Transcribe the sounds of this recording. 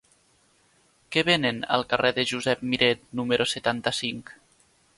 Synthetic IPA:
keβenenə̰lˠkərɛðəʒuzɛp̚miɾet̪numəɾʔoset̪ant̪əsiŋk

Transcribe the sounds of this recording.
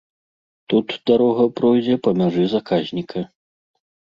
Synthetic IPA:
t̪ut̪d̪aɾɔɣɐpɾɔjd͡zʲɛpɐmʲaʐɨzakazʲnʲikʰɐ

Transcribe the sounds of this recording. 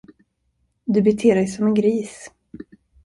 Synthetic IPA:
d̪ɵbɪt̪ʰɪːɾɛjsɔmɛnɡɾiːs

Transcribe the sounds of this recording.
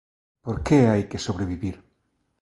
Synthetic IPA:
poɾkeajkesoβɾeβiβiɾ

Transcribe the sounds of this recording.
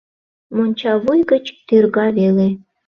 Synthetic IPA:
monʲt͡ɕɑβujɣət͡ɕt̪yrɣɑβele

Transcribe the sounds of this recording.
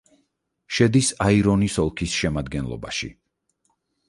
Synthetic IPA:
ʃɛd̪isaiɾɔnisɔlˠkʰisʃɛmad̪ɡɛnlˠɔ̰ba̰ʃḭ

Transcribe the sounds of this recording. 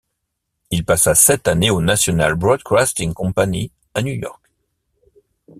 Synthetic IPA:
ilpasasɛt̪aneonasjɔna̰lbʁɔd̪kʁast̪iŋkɔ̃pani | anjujɔ̰ʁk

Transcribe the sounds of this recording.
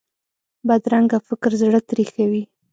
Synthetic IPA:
bad̪ɾaŋɡafɪkɾzɽət̪ɾixawi

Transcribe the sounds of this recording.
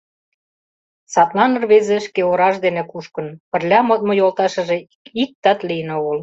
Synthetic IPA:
sɑt̪lɑnɤ̆rβezĕʃkeoɾɑʒd̪enĕkuʃkɤ̆npə̆rlʲɑmot̪mŏjolt̪ɑʃɤ̆ʒĕ | ik̚t̪ɑt̪lijənoɣə̆l

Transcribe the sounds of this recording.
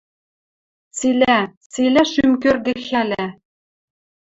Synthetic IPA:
t͡silʲæt͡silʲæʃymk̬ørɡ̪ɘ̆xælʲæ

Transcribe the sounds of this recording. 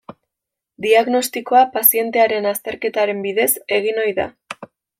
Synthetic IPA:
d̪iaɣno̞st̪iko̞apasie̞nt̪e̞aɾe̞nast̪e̞ɾke̞t̪aɾe̞mbiðe̞se̞ɣ̞ino̞jða̰

